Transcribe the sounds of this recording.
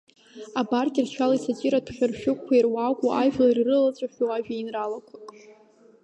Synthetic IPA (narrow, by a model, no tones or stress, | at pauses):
abarɡʲirt͡ʃʰalaisat͡ʃʼiɾatʰχʲᶣarʃᶣʊkkʷʰːairwakʷʼuʔaʒᶣlairrɨlat͡sʷʼaʃʲowaʒᶣainralakʷʰakʼ